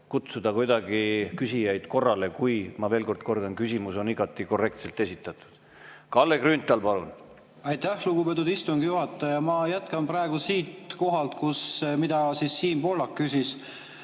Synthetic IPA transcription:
kut̪sud̪̥ɑkujd̪̥ɑɡikysijɑjd̪̥ko̞rːɑle̞kujmɑve̞ːlko̞rd̪̥̚ko̞rd̪ɑnkysʲimuso̞niɡ̥ɑt̪ːˑiko̞rːe̞kt̪se̞lt̪e̞sʲit̪ːˑɑt̪ːˑu̥d̪̥ | kɑlːekrynt̪ːˑɑlpɑlun | ɑjt̪æhluɡ̥upet̪̬ːˑud̪̥ist̪uŋɡ̥juhɑt̪ˑːɑjɑmɑjæt̪kɑmprɑeɡ̥usiːt̪ko̞ɦɑlt̪kusmid̪ɑsisːiːnpo̞lːɑkːysis

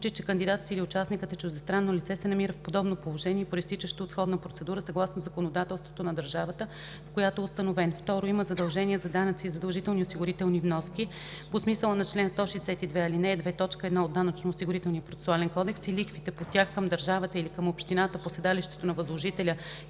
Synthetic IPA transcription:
sut͡ʃit͡ʃɛkənd̪id̪at̪ət̪ilʲiʊt͡ʃasnikət̪ət͡ʃuʒd̪ɛst̪ɾanːolit̪sɛsɛnɐmiɾəfpod̪ɔbnopolˠoʒɛnʲiɛpoɾist̪it͡ʃəʃt̪oːt̪sxɔd̪nəpɾotsɛd̪uɾəsɐɡlˠasnozɐkonod̪at̪ɛlˠst̪vot̪onɐd̪əɾʒavət̪ə | fkojat̪oɛʊst̪ənovɛnft̪ɔɾoiməzɐd̪ɐlˠʒɛniɛzɐd̪anət̪siːzɐd̪ɐlˠʒit̪ɛlˠniosiɡʊɾit̪ɛlˠnivnɔsk̟ʲi | posmisəlˠənɐt͡ʃlɛnst̪ɔʃɛjsɛt̪id̪vɛilinɛd̪vɛt̪ɔt͡ʃkəɛd̪naod̪ːanət͡ʃnoːsiɡʊɾit̪ɛlˠnijəpɾot̪ɛ̥sualɛnkɔd̪ɛksilikfit̪ɛpot̪ʲaxkəmd̪əɾʒavət̪əilikəmopʃt̪inat̪əposɛd̪aliʃt̪ɛ̥t̪onɐvəzlˠoʒit̪ɛlʲə

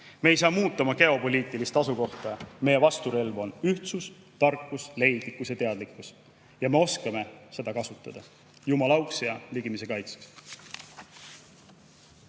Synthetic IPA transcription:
meejs̬ɑːmuːt̪ˑːɑmɑke̞o̞po̞lʲiːt̪ˑːilist̪ɑsuko̞ht̪ɑme̞jevɑst̪uɾe̞lvo̞nyht̪sus | t̪ɑrkːˑusle̞jd̪̥likːˑusjɑt̪e̞ɑd̪likːˑus | jɑme̞o̞skɑme̞se̞d̪̥ɑkɑsut̪ːˑɑd̪̥ɑ | jumɑlɑwksjɑliɡ̥imis̬e̞kɑjt̪se̥ks

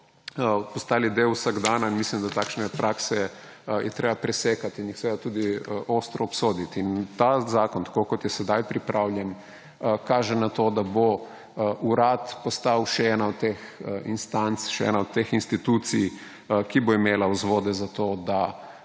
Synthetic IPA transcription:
əpɔst̪aːlid̪ewusaɡd̪anainmislimd̪at̪aːkʃnɛpɾʔaːksɛ | jʔɛt̪ɾeːbapɾɛseːkat̪injixsɛʋed̪at̪uːd̪iəʔost̪ɾɔːpsoːd̪it̪int̪azaːkɔnt̪ḁkokɔt̪jɛsɛd̪ajpɾipɾʔawljɛn | kaːʒɛnat̪od̪abo | ʔuɾat̪pɔst̪awʃɛɛːnaɔt̪t̪ːexinst̪ant̪sʃɛɛ̰ːnaɔd̪t̪̚t̪ːexinst̪it̪ut̪sij | kiboimeːlauzʋoːd̪ɛzat̪oːd̪a

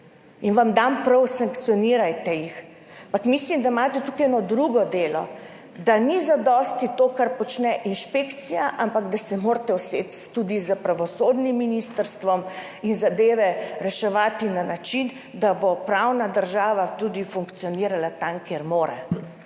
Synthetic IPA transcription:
inʋamd̪ampɾɔwsaŋkt̪sijɔniːɾajt̪ɛjix | ampakmislimd̪amaːt̪ɛt̪ukiɛnɔd̪ɾuɡɔd̪eːlɔ̰ | d̪anizad̪ɔst̪it̪oːkaɾpɔt͡ʃnɛʔinʃpekt̪sijaʔampaɡd̪asɛmoːɾt̪ɛwseːt̪t̪ud̪izəpɾaʋɔsoːd̪nimːinist̪əɾst̪ʋɔm | inzad̪eːʋɛɾɛʃɛʋaːt̪inanat͡ʃin | d̪abopɾawnad̪əɾʒaːʋat̪ud̪ifuŋkt̪siɔniːɾalat̪amkeɾmoːɾɛ̰

